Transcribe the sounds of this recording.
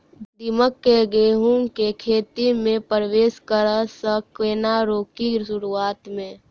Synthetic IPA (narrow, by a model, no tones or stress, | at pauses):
d̪iməkːeɡeːɦũkekʰeːt̪imẽpɾəʋeːskəɾəsəkeːnaɾoːkiʃʊɾuaːt̪mẽ